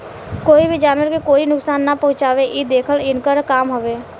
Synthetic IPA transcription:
koːibʱid͡ʒaːnʋəɾkekoːinʊksaːnːapɐɦʊ̃t͡ʃaːʋeʔid̪eːkʰəlɪnkəɾkaːmɦoʋeː

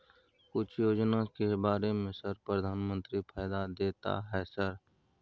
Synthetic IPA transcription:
kʊt͡ʃʰjoːd͡ʒnakebaːɾemẽsəɾpɾəd̪ʱaːnmə̃nt̪ɾipʰɛːd̪ad̪eːt̪a̰ɦɛːsəɾ

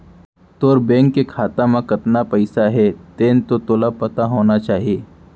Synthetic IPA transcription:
t̪oːɾbɛ̃ːŋkːekʰaːt̪ãmãkɐt̪napɐɪsaɦɛt̪eːnt̪ot̪oːlapɐt̪aɦoːnat͡ʃaːɦijeː

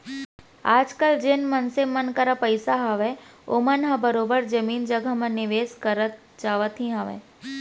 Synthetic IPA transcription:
aːd͡ʒkəld͡ʒeːnmənsemənkəɾapəɪsaɦəʋeo̰mənɦãbəɾoːbəɾd͡ʒəmiːnd͡ʒəɡʱamə̃nɪʋeːskəɾət̪ | d͡ʒaːʋət̪ʰɦĩɦəʋḛ̃

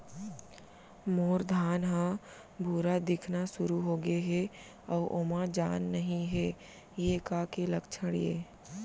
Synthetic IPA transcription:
moːɾd̪ʱaːnɦã | bʱuːɾad̪ɪkʰnasʊɾuɦoːɡeɦɛ | ɔːʔoːmad͡ʒaːnːɐɦĩɦɛː | jekaːkeləkt͡ʃʰəɽjḛː

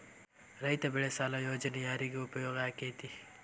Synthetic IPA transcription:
ɾɐit̪ɐbɪɭesaːlajoːd͡ʒənijaːɾiɡiʊpjoːɡajkeːt̪i

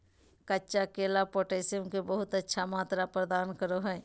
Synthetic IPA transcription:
kətːt͡ʃakeːlapoːʈeːsiəmkebəɦʊt̪ətːʃʰamaːt̪ɾapɾəd̪aːnkəɾoɦɛː

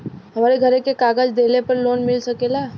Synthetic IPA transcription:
ɦɐmaːɾeɡʱɐɾẽkekaːɡəd͡ʒd̪eːlepɐɾloːnmɪlsɐkeːlaː

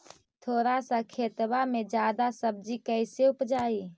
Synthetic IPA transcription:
t̪ʰoːɾasakʰeːt̪bamed͡ʒjaːd̪asəb̚d͡ʒikəɪseupd͡ʒaːi

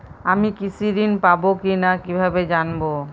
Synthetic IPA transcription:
amikisʰid̪inpabokinakibʱabed͡ʒanbo

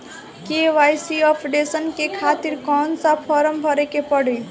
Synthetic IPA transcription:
keʋajsiɔpʰɖesənkekʰat̪iɾkɔnsapʰɔɾəmbʱʌɾekepəɽi

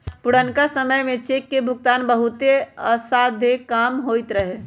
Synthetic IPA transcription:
pʊɽənkasəməjmẽt͡ʃeːkːebʱʊɡ̚t̪aːnbəɦut̪eəsad̪ʱekamɦoit̪ɾəɦe

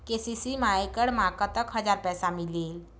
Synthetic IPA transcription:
kesisimaekəɽmakət̪əkɦəd͡zaɾpɛsamilel

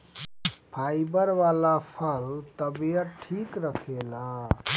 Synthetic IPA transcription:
pʰajbəɾʋalapʰəlt̪əbijət̪̚ʈʰikɾəkʰela

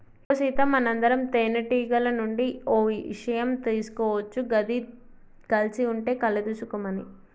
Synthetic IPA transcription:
osit̪ɐmːɐnɐnd̪ɐɾɐmt̪eːnɐʈiːɡɐlɐnuɳɖioːʋiḭʂɐjɐmt̪iːsu̥kɔːʋɐt͡ʃːuɡɐd̪i | kɐlt͡ʃiuɳʈe̞ːkɐlɐd̪usukumɐni

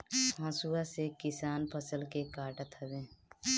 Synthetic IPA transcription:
ãːsuasekɪsaːnpʰəsəlkekaːɾʈət̪ɦəbẽː

